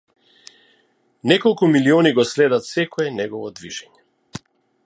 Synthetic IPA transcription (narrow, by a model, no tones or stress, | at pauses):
nɛkɔlˠkumiliɔniɡɔslɛd̪at̪sɛkɔɛnɛɡɔvɔd̪viʒɛɲɛ